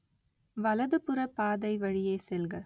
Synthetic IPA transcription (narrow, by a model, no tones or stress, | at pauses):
ʋɐlɐðɯpɯɾɐpaːðɐɪʋɐɻɪjeːsɛlɣɐ